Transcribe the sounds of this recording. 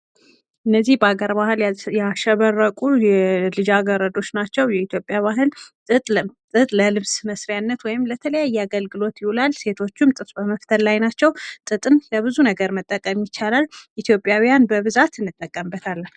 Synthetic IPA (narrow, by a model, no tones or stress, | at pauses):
ʔɨnːəzːihbəaɡəɾbahɨljaʃəβərːəkʼujɛlɨd͡ʒaɡəɾəd̪o̞t͡ʃːnat͡ʃːɛwjɛit̪ʰjo̞pʼjaβaɦɨlʼ | ɨt̪ʼt̪ʼɨt̪ʼləlɨβsməsɾijanːət̪wɔjɪmlət̪ʰələjajːaɡəlɡɨlo̞t̪jɪhulalse̞t̪ʰo̞t͡ʃːɪmt̪ʼɨt̪ʼbəməft̪ʰəllajnat͡ʃːɛwt̪ʼɨt̪ʼɨnləβɨzunəɡəɾmət̪ʼːəkʼəmjɪt͡ʃːalalʔit̪ʰjo̞pʼːjawijanbəβɨzat̪ɨnːɨt̪ʼːəkʼːəmbət̪ʰalː